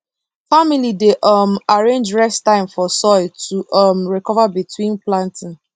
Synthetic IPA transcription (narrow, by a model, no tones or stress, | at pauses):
familideʔɔmaɹẽnd͡ʒɹɛstãɪ̃mfɔsɔɪtʰuʔɔmɹikɔvabitʰwĩnplãntĩn